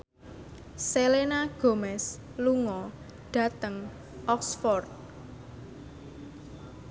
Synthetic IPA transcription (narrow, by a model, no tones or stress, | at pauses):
selenaɡ̥o̤mɛs | luŋɔ | ɖ̥ä̤t̪əŋ | ʔɔksfɔrt̪̚